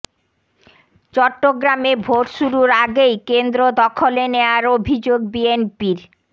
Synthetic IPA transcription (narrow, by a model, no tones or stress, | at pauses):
t͡ɕɔʈːoɡɾamebʱoʈʃuɾuɾaɡejkend̪ɾod̪ɔkʰoleneaɾobʱid͡ʑoɡ̚bienpiɾ